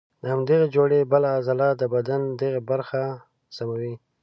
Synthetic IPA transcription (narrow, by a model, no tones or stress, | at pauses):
d̪əhamd̪eɣed͡ʒoɽebəlaːzalad̪əbad̪and̪eɣebaɾxa | samawi